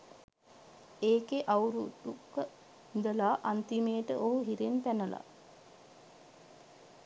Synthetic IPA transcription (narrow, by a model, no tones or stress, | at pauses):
eːkeʔawɾud̪ukːə | nd̪əlaːʔant̪imeːʈəʔoɦuɦiɾent̪ænəla̰